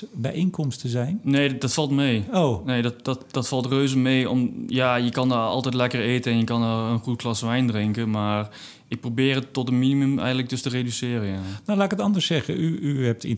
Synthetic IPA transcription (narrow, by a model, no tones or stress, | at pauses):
bɛjenkɔmstəzɛjnneːdɔtfɑlˠtmeːowneːdɔtd̥ɔtd̥ɔtfɑlˠtrøːzəmeːɔmjajəkɑndɔɑ̰lˠtɛjtlɛkəreːtəɛnjəkɑndɔənχut̚klɑsʋɛjndrɪŋkəmaːr | ɪk̚probɪːərətːɔtəminimømɛ̰jɣəntlək̚døstəredysɪːrəanawlaːɪkətɑndəɹsɛχəyyɦɛp̚ti